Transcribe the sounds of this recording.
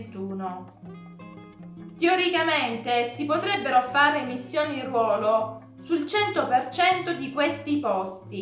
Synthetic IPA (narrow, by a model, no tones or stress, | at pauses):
t̪uːno | t̪eoɾikament̪esipot̪ɾɛbːeɾofaːɾemisːjoːnirwɔːlo | sult͡ʃɛnt̪opert͡ʃɛnt̪od̪ikwest̪ipɔst̪i